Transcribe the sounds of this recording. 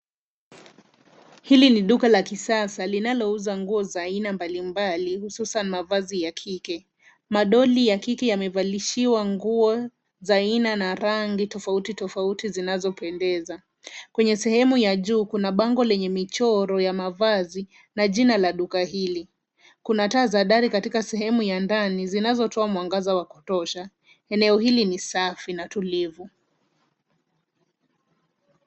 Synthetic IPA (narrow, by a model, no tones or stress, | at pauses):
hiliniɗukalakisasalinalɔuzaŋɡuɔzainambalimbalihususanimavazijakʰikɛ | maɗɔlijakikɛjamɛvaliʃiwaŋɡuɔ | zainanaɾaŋɡitɔfautitɔfautizinazɔpɛndɛza | kwɛɲɛsɛhɛmujaʄuːkunaɓaŋɡɔlɛɲɛmit͡ʃɔɾɔjamavazi | naʄinalaɗukaɦili | kunataːzaɗaɾikatikasɛɦɛmujandanizinazɔtɔamwaŋɡazawaku̥tɔʃa | ɛnɛɔhilinisafinatulivu